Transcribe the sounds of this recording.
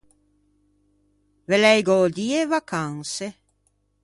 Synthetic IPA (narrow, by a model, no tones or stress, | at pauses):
velɛjɡod̪iːevakʰaŋse